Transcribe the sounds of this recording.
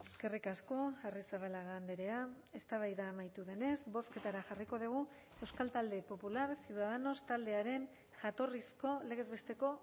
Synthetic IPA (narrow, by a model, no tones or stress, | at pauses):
eske̞rikasko̞arisaβalaɣaːnd̪eɾe̞a | e̞st̪aβajðaːmajt̪uðe̞ne̞zbo̞ske̞t̪aɾaxariko̞ðuɣ̞u | e̞wskalt̪ald̪e̞po̞pulaɾsiuðaðano̞st̪ald̪e̞aɾe̞n | ʝat̪o̞risko̞le̞ɣ̞e̞zβe̞st̪e̞ko̞